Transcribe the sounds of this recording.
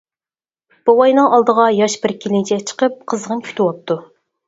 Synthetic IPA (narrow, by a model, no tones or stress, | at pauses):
b̥ɑwɑjnɨŋʔɑlˠd̪əʁɑjɑʃbɪɾkʲʰilɪŋʲt͡ʃʰɛt͡ʃʰə̥qʰəp̚qʰəzʁənkʲʰy̥t̪ʰɪwɑp̚t̪ʰu